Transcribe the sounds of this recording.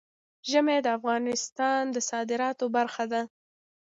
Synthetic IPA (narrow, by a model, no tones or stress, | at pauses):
ʒəmed̪əafɣɑnɪst̪ɑnd̪əsɑd̪ɪɾɑt̪obaɾxad̪a